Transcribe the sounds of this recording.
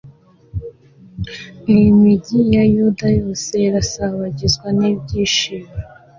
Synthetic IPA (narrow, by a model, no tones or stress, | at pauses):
nimiɟijajudajo̞ːse̞iɾasaβaɟizɡwanib̚ɟiːʃiβe